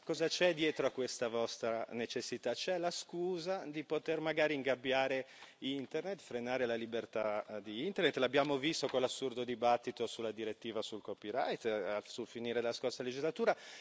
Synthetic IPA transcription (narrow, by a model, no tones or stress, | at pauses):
kɔːzat͡ʃɛd̪jɛːt̪ɾoakːwest̪avɔst̪ɾanet͡ʃesːit̪at͡ʃɛlaskuːzad̪ipot̪ermaɡaːɾiiŋɡabːjaːɾe | int̪ernet̪fɾenaːɾelalibert̪ad̪iint̪ernet̪ːlabːjaːmovist̪okonlːasːurd̪od̪ibat̪ːit̪osulːad̪iɾet̪ːiːvasulkopiɾa̰jt̪sulfiniːɾed̪laskorsaled͡ʒizlat̪uːɾa